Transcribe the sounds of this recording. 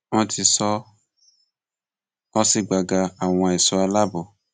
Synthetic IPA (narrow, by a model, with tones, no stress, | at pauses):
wɔ̃˧ti˧sɔ˧ | ɔ˧si˧ɡ͡ba˨ɡa˧a˨w̃ɔ̃˧ɛ˨so˨a˧la˦bɔ˦˨